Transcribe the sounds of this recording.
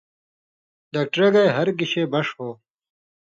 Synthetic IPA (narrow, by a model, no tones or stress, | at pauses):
d̪ɐk̚ʈɾeɡɐjɦɐɾɡiɕeːbɐʂhoː